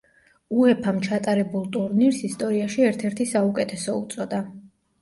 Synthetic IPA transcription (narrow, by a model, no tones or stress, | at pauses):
uɛpʰamt͡ʃʰat̪ʼaɾɛbulˠt̪ʼuɾniɾsist̪ʼɔɾiaʃiɛɾt̪ʰɛɾt̪ʰisaukʼɛt̪ʰɛsɔṵt̪sʼɔd̪a